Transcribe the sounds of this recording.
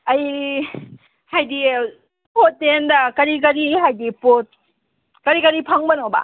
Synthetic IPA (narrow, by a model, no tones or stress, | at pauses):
ɐj | hajdi | pot̚ːendɐkɐɾik̬ɐɾiɦajdipot̚ | kɐɾikɐɾipʰaŋbɐnoba̰